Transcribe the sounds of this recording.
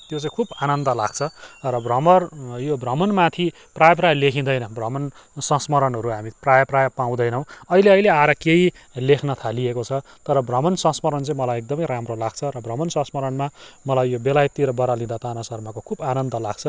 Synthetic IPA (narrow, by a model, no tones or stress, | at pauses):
t̪jot͡saĩkʰubanʌnd̪ʌla̰ɡ̥̚t͡sʰʌrʌbrʌmʌrjobrʌmʌnmat̪ʰi | prajʌp̬rajlekʰĩd̪ʌjnʌbrʌmʌn | sʌ̃smʌɾʌnɦʌɾuɦamiprajʌprajʌpaw̃d̪ʌjnʌw̃ʌileʌileaɾakei | lekʰnʌt̪ʰaliekot͡sʰʌt̪ʌɾʌbrʌmʌnsʌ̃smʌɾʌnt͡sʌĩmʌlajek̚d̪ʌmʌjɾamrolaɡ̥t͡sʰʌɾʌbrʌmʌnsʌ̃smʌɾʌnmamʌlajːobelajt̪ːiɾʌbʌɾalĩd̪at̪anasʌrmakokʰubanʌnd̪ʌla̰ɡ̥̚t͡sʰʌ